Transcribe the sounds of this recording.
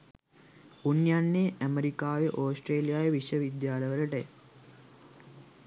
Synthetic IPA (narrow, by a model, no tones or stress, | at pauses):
unjanːeːʔæməɾikaːʋeʔoːsʈreːlijaːjeʋiʃjəʋid̪jaːləʋələʈəj̰